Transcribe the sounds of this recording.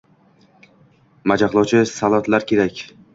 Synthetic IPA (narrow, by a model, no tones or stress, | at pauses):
mad͡ʒaχlˠɒwt͡ʃʰɪsalˠɒt̪laɾkʲe̞ɾakʲ